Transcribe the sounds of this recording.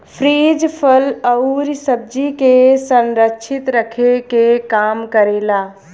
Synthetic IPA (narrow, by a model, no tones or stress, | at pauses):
pʰɾiːd͡ʒpʰələʊɾsəb̚d͡ʒikesə̃nɾəkːt͡ʃʰɪt̪ɾəkʰekekaːmkəɾeːlaː